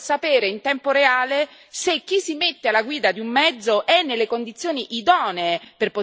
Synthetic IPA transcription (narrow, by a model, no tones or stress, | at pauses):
sːapeːɾeint̪ɛmpoɾeaːle | sek̟ːisːimet̪ːealːaɡwiːd̪ad̪iumːɛd̪zːoʔɛnːelːekond̪it̪sːjoːniʔːd̪ɔːneːperpo